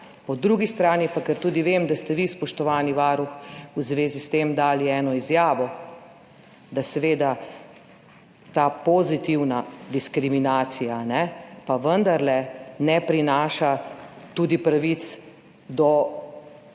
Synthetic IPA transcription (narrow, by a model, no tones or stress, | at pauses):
pɔd̪ɾuɡist̪ɾaːnipakəɾt̪uːd̪iʋemd̪ast̪ɛʋispɔʃt̪ɔʋaːniʋaːɾuxuzʋeːzist̪emd̪aːliɛːnɔizjaːʋɔ | d̪asɛʋeːd̪a | t̪aːpɔzit̪iwnad̪iskɾiminaːt̪sijanɛpaʋənd̪aɾlɛnɛpɾinaːʃat̪uːd̪ipɾaʋit̪s | d̪ɔ